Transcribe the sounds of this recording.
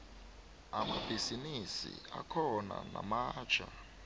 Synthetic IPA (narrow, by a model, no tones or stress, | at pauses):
amab̥ʱizinisḭakʰɔnanamaːt͡ʃʰa